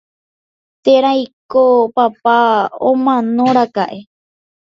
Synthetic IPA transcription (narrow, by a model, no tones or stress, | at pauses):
t̪eɾajkopapao̰mãnõɾakaʔe